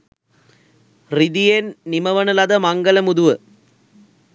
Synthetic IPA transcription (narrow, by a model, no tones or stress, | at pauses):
rɪðijennɪmɐʋɐnɐlɐðɐmɐŋɡɐlɐmuðʊʋɐ